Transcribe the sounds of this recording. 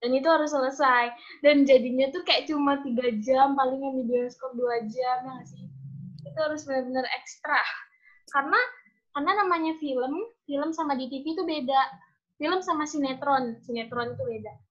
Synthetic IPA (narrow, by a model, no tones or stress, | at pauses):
danit̪uɦaɾʊs̬ːələsaj | dand͡ʒadiɲat̪ukajaʔt͡ʃumat̪iɡad͡ʒampalɪŋamidiɔnskɔrduad͡ʒamjaŋasɪit̪uhaɾʊsbənərbənərɛkst̪ɾa | karəna | karnanamaɲafiləmfiləmsamadit̪ifit̪ubedaʔ | filəmsamasinet̪ɾɔnsinet̪ɾɔnit̪ubeda